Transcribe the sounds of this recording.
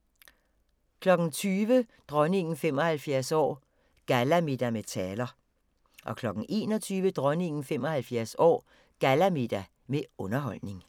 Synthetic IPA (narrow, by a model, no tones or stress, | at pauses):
kʰlɒ̽ɡ̥n̩t͡sʰyːʋəd̥ʁœne̝ŋn̩fem̰ɒ̽hælfjæɐ̰sɒ̰ː | ɡ̥ælæmid̥æmet͡sʰɛːlɐ | ʔɒ̽kʰlɒ̽ɡ̥n̩ʔe̝̰ːnɒt͡sʰyːʋəd̥ʁœne̝ŋ̰n̩fem̰ɒ̽hælfjæɐ̰sɒ̰ː | ɡ̥ælæmid̥æ | meɔ̽nɐɦɒ̽l̰ne̝ŋ